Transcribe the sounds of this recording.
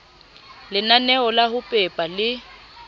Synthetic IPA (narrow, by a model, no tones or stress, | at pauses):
lɪnanɛɔlahʊpʼɛpʼalɪ